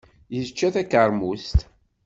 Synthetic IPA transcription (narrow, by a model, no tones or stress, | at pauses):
jəzt͡ʃːæθækəɾˤmust̪